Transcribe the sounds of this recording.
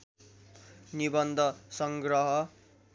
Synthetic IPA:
nibʌnd̪ʱʌsʌŋɡɾʌɦʌ

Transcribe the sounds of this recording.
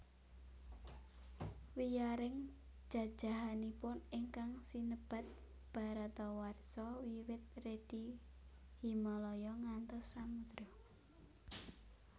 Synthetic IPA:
wijaɾɪŋ̥ | d͡ʒ̥a̤d̥ʒ̥a̤ɦanipʊniŋkaŋsinəb̥a̤t̪̚ | b̥a̤ɾat̪ɔwarsɔwiwɪt̪̚red̥i | himɔlɔjɔŋant̪ɔsːamud̪̥ɾɔ

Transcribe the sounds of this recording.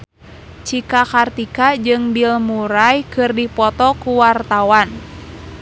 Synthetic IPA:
t͡ʃikakart̪ikad͡ʒɨŋbilmuɾajkɨrdipɔt̪ɔkuwart̪awan

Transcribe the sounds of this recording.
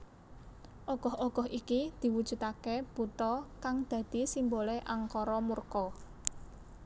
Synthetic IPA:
ʔɔɡ̥ɔ̤hɔɡ̥ɔ̤hikid̪̥i̤wud̥ʒ̥ṳt̪akeb̥ut̪ɔkaŋd̪̥ä̤d̪̥i̤simboleʔaŋkɔɾɔmurkɔ

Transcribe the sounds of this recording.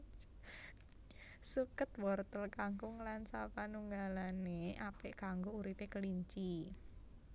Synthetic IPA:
sukət̪wɔrt̪əlkaŋkuŋlansapanuŋɡalaneʔapeʔkaŋɡouɾipekəliɲt͡ʃi

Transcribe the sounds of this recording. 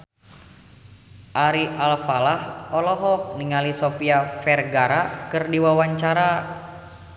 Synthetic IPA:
ʔaɾiʔalfalahɔlɔɦɔk̚niŋalisofiafɛrɡaɾakɨrdiwawaɲt͡ʃaɾa

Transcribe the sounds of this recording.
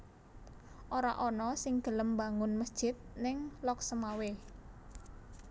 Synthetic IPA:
ʔoɾa̰ʔɔnɔsɪŋd̪̥ə̤ləmba̤ŋʊnməsd̥ʒ̥ɪt̪̚nɪŋlɔksəmawe

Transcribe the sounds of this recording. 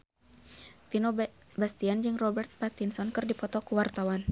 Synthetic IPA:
finɔ | bast̪iand͡ʒɨŋrɔbɛrt̪̚pat̪insɔnkɨrdipɔt̪ɔkuwart̪awan

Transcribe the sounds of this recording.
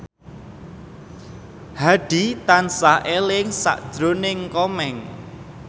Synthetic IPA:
haɖ̥i̤t̪ansaʔelɪŋsa̰ʔd̥ʒ̥ɾonɪŋkɔmɛŋ

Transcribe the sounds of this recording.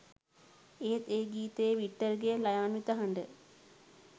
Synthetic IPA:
eːt̪eːɡiːt̪ejəʋiʈːərɡejəlɐjaːnʋit̪əɦɐɳɖə

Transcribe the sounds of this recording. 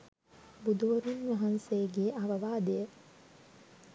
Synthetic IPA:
bud̪ʱuʋɐɾunʋɐɦansejəɡeːʔaʋɐʋaːd̪ejə

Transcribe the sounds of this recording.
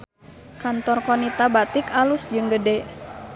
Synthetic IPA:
kant̪ɔrkɔnit̪abat̪ikalusd͡ʒɨŋɡədɛ

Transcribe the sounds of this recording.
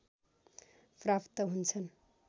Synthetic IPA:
prapt̪ʌɦunt͡sʰʌn

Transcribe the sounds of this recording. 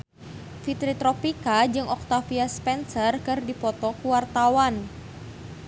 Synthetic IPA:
fit̪ɾit̪ɾɔpikad͡ʒɨŋʔɔk̚t̪afiaspɛnsərkɨrdipɔt̪ɔkuwart̪awan

